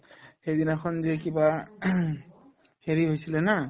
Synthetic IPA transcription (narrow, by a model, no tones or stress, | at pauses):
xejd̪inaxʰɔnzekiba | heɹiɦojsilɛna